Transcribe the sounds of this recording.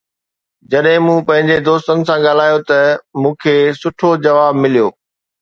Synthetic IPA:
d͡ʑɐɗɦɪ̃mũːpɐ̃ɦɪ̃ɲd͡ʑed̪oːst̪ənɪ̆sãɠaːl̤aːjot̪ɐmũːkʰeːsʊʈʰod͡ʑɐʋaːbmɪlijoː

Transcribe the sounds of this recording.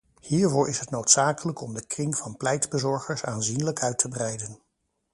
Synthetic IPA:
hiːɹvʊːɹʔɪsɦətnowtsaːkələkɔmdəkrɪŋv̥ɑnplɛjdbəzɔɹχəɹsaːnzinləkʰœɥtʰəbrɛjdən

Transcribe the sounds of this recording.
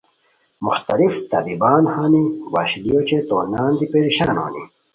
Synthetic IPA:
muxt̪ɐlift̪ɐ̰bibaːnhaːniwa̰ɕlijot͡ɕet̪oːnaːnd̪ipeɾiɕaːno̰ːnḭ

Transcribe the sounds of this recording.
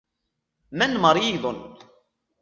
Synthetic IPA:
mænməɾˤjiðˤən

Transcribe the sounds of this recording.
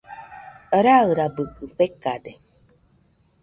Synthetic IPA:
əɾaɣɨɾabɨkːɨk͡pekːade

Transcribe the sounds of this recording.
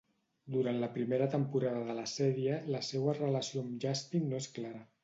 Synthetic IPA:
d̪uɾant̪ləpɾimeɾət̪əmpuɾaðəðələsɛɾiələsɛwərələsioamʒast̪innoesklaɾə

